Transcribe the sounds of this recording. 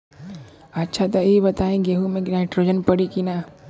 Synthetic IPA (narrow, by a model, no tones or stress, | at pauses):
ətːʃʰat̪ɔibət̪aẽɡeɦumẽɡɾaɪʈɾod͡ʒənpəɽikina